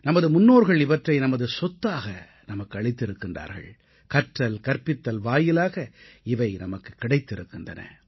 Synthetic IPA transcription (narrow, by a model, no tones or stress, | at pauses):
nɐmɐðɯmʊnːoːɾɣɐɭɪʋɐʈrɐɪnɐmɐðɯsɔt̪ːaːɣɐ | nɐmɐkːɯɐɭɪt̪ːɪɾɯkːɪndra̰ːɾɣɐ̰ɭ | kɐʈrɐlkɐɾpɪt̪ːɐlʋaːjɪlaːɣɐɪʋɐɪnɐmɐkːɯ̥kːɪɽɐɪt̪ːɪɾɯkːɪndrɐ̰nɐ̰